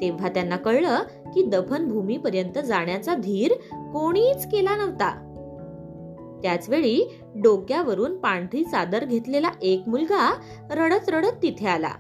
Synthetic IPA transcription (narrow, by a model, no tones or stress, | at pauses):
t̪ẽʋ̤at̪janːakəɭɭə | kiːd̪əpʰənbʱumiːpəɾjənt̪əd͡zaɳjat͡sad̪ʱiːɾkoɽ̃iːt͡skelanəʋ̤t̪a̰ | t̪jat͡sʋeɭiː | ɖokjaʋəɾuːnpaɳʈʰɾiːsad̪əɾɡʱet̪lelaʔekmulɡa | ɾəɽət͡sɾəɽət̪ːit̪ʰeala̰